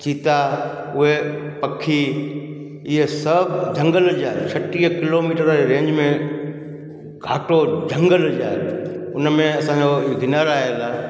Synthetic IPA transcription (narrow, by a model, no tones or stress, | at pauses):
t͡ɕiːt̪aʊɦepɐkʰi | ɪɦesɐbd͡ʑʱɐ̃ŋɡəld͡ʑaːɦt͡ɕʰɐʈiːəkɪloːmiːʈəɾɾẽːɲd͡ʑmẽ | ɡʱaːʈod͡ʑʱɐ̃ŋɡəld͡ʑaːeʊnmẽɐsãːd͡ʑoɡɪnaːɾaːjlaː